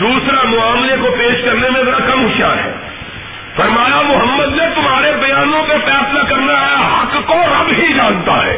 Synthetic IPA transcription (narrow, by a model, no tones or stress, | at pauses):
d̪uːsɾamʊaːmlekopeːʃkɐɾnemẽzɐɾakɐmɦʊʃa̰ɦɛ̰ː | fɐɾmaːjamʊɦəmːəd̪net̪ʊmɦaːɾebɐjaːnõpesfɛːslakɐɾnaɦɐkːoɾɐbɦid͡ʒãːnt̪a̰ɦɛ̰ː